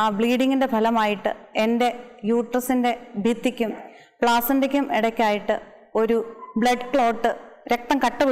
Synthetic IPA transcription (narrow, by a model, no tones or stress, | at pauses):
aːbɭiːɽiŋɡinde̞bʱɐlɐmaːjiʈːɨ̰e̞nde̞juːʈrɐsinde̞bʱit̪ːikʲːum | pɭaːsɐndekʲːumiɽɐkʲːaːjiʈːɨ | o̞ɾubɭɐɖkɭo̞ːʈːɨɾek̚t̪ɐmkɐʈːɨb